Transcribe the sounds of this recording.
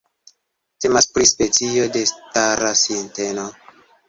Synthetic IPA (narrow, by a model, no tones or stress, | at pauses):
te̞maspɾispe̞t͡sio̞de̞staɾasinte̞no